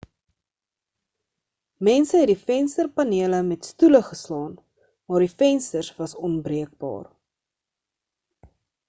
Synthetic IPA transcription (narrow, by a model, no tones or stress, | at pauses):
mɛnsəɦɛtdifɛnstərpɐniələmɛtstuləχəslɑːn | mɑːrdifɛnstərsvɐsɔnbriək̚bɑ̰ːr